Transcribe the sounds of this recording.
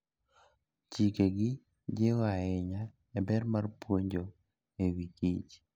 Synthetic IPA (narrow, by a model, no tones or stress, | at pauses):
t͡ʃikeɡɪ | d͡ʒewaɛɲa | ɛbɛrmarpwoɲd͡ʒo | ewikit͡ʃ